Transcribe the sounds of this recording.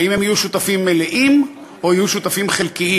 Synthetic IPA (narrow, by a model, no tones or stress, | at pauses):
imemajuʃut̪afimːeleʔim | ʔoijuʃut̪afimχelkiʔi